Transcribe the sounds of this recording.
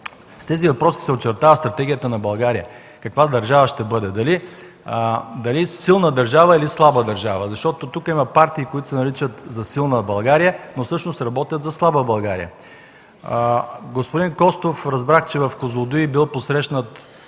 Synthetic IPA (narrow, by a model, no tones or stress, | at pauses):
st̪ɛzivɐpɾɔsi̥sɛot͡ʃɛɾt̪avəst̪ɾɐt̪ɛɡʲijət̪ənɐbɐlˠɡaɾijə | kɐkvad̪ɐɾʒavəʃt̪ɛbɤd̪ɛd̪ɐli | d̪ɐlisilˠnəd̪ɐɾʒavəilislˠabəd̪ɐɾʒavəzɐʃt̪ɔt̪ot̪ukimɐpaɾt̪iːkoit̪ʊ̥sɛnɐɾit͡ʃət̪zɐsilˠnəbɐlˠɡaɾijənofsɤʃnost̪ɾɐbɔt̪jət̪zɐslˠabəbɐlˠɡaɾḭjə̰ | ɡospʊd̪inkɔst̪ofɾɐzbɾaxt͡ʃɛvɐfkozlˠod̪uibilˠposɾɛʃnət̪